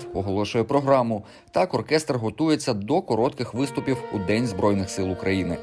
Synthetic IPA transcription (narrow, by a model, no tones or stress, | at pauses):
ʊɦɔlˠɔʃʊjɛpɾɔɦɾɑmʊ | t̪ɑkɔrkɛst̪rɦɔt̪uje̞t͡sʲːɐd̪ɔkɔɾɔt̪kɪxʋɪst̪ʊpʲiwud̪ɛnʲzbɾɔjnɪxsɪlˠʊkɾʔɐjinɪ